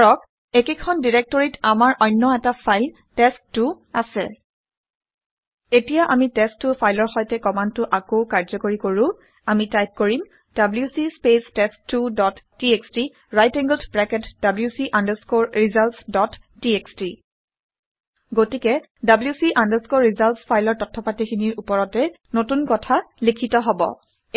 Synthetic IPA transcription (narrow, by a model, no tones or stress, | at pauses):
ɹɔk | ekekʰɔndiɹek̚tɔɹitamaɹʔɔjnːɔɛtapʰajl | tɛsttːʊ | asɛ | etijaʔamitɛstːʊpʰajlɔɹxɔjtɛkɔmantʊʔakoʊkaɹzɔkoɹikoɹʊ̃ | amitajp̚koɹim | d̥abljusispestɛstːudɔtːieksti | ɹajtɛŋɡldpɹɛkɛtd̥abljusiʔandaskoɹɹizalsdɔtʰː | ieksti | ɡotikɛ | dabljusiʔandəskoɹːizalspʰajlɔɹtɔtʰːɔpatikʰiniɹupɔɹɔtɛ | notunkɔtʰalikʰitɔɦɔbɔ̰